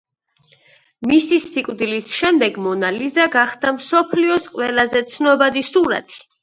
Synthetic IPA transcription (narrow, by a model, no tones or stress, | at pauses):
misisikʼwd̪ilisʃɛmd̪ɛɡmɔnalizaɡaχd̪amsɔpʰliɔsqʼwɛlazɛt̪sʰnɔbad̪isuɾa̰t̪ʼʰi̥